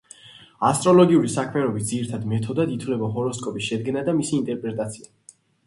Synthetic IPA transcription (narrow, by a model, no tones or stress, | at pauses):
ast̪ʼɾɔlɔɡiuɾisakʰmɛɾɔbisd̪ziɾt̪ʰad̪mɛt̪ʰɔd̪ad̪it̪ʰvlɛbaɦɔɾɔskʼɔpʼiʃɛd̪ɡɛnad̪amisiːnt̪ʼɛɾpʼɾɛt̪ʼat̪sʰia